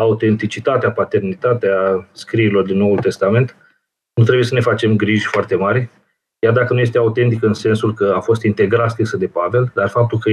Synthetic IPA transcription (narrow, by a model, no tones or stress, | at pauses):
aut̪e̞nt̪it͡ʃit̪at̪eapat̪e̞rnit̪at̪easkɾiilo̞rd̪inːo̞ult̪e̞st̪ame̞nt̪ | nut̪ɾebujesəne̞fat͡ʃe̞mɡɾiʒʲfoart̪e̞maɾʲ | jard̪akənuje̞st̪eaut̪e̞nt̪ikɨnse̞nsulkəafo̞st̪int̪e̞ɡɾat̪skɾisəd̪e̞pave̞ld̪arfap̚t̪ulkə